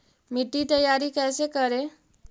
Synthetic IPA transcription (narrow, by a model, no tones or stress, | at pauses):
miʈːit̪əjːaɾikɛːsekəɾe